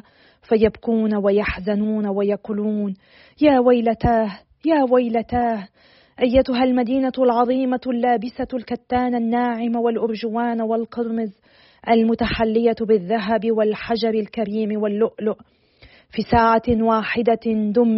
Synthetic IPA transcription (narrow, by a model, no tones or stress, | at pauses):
fajabkuːnawajaħzanuːnawajaqʊluːn | jaːwajlat̪aːh | jaːwajlat̪aːh | ʔajːat̪ʊɦalmad̪iːnalʕɑðˤiːmalːaːbɪsalkat̪ːaːnanːaːʕɪmawalʔʊɾd͡ʒʊwaːnwalqɨɾmɪz | ʔalmʊt̪aħalːɪjabɪðːaɦabɪwalħad͡ʒɑɾɪlkaɾiːmɪwalːʊʔlʊʔ | fiːsaːʕawaːħɪd̪ad̪ʊm